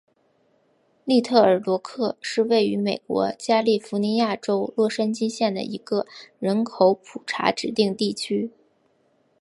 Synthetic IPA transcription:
li˥˧t̪ʰɤ˥˩ə˞˨˩lwɔ˧˥kʰɤ˥˧ʂɻ̩˥˧we˥˩ɪy˧˥me˨˩ɪkwɔ̰˧˥t͡ɕja˥li˥˩fu˧˥ni˧˥ja˥˩ʈ͡ʂo˥ʊlwɔ˥˩ʂə˥nt͡ɕi˥nɕjɛ˥˩nd̪ə̰˩ʔi˧˥ɡə˧ɻə˧˥nkʰo˧˥ʊpʰu˨˩ʈ͡ʂʰa̰˧˥ʈ͡ʂɻ̩˨˩t̪i˥˧ŋt̪i˥˩t͡ɕʰy˥

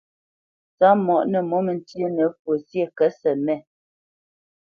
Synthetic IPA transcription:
t͡sa˨˦mɔ˨ʔnə˨mɔ˨˦mə˨n˦tjə˦nə˨˦fwo˨sje˦˨kɛ˨˦sɛ˨mɛ˦˨

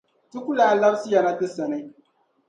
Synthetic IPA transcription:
tu˦ku˦laː˨˦˨la˦bsi˦ja˨na˦tɨ˦sa˨ni˦

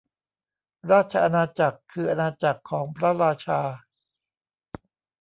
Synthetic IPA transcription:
ɾaː˥˩t̪̚t͡ɕʰa˧ʔa˧naː˧t͡ɕa˨˩kʰːɯː˧ʔa˧naː˧t͡ɕa˨˩kʰːɔː˩˦ŋpʰɾa˦˥ɾaː˧t͡ɕʰaː˧

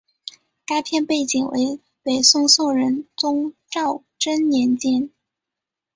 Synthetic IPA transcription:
ka˥ɪpʰjɛ˥˧npe˥˩ɪt͡ɕi˨˩ŋwḛ˧˥ɪ | pe˨˩ɪsʊ˥ŋsɔ˥˩ɻə˧˥nt͡sʊ˥ŋʈ͡ʂɑ˥˩ʊ | ʈ͡ʂə˥nnjɛ˧˥nt͡ɕjɛ˥˩n

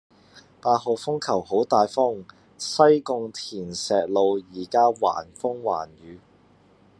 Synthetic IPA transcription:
paː˧t̚ho˨wfʊ˥ŋkʰɐ˨˩who˨˥wt̪aː˨˧jfʊ˥ŋ | sɐ˥jkʊ˧ŋt̪ʰiː˨˩nsɛː˨t̚lo˨˧wjiː˨˩kaː˥wa̰ː˨˩nfʊ˥ŋwa̰ː˨˩njyː˨˧

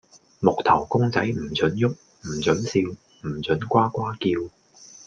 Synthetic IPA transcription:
mʊ˨k̚t̪ʰɐ˨˩wkʊ˥ŋt͡sɐ˨˥jm̩˨˩t͡sɵ˨˥njʊ˥k̚ | m̩˨˩t͡sɵ˨˥nsiː˧w | m̩˨˩t͡sɵ˨˥nkʷaː˥kʷaː˥kiː˧w

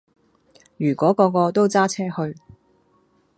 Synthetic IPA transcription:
jyː˨˩kʷɔː˨˥kɔː˧kɔː˧t̪o˥wt͡saː˥t͡sʰɛː˥hɵ˧ɥ

